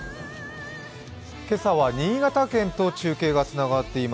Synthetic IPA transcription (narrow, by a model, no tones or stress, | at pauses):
ke̞saβaɲ̟ĩːɡat̪akẽ̞nt̪o̞t͡ɕɨːke̞ːɡat͡sɨnaɡat̪ːe̞ima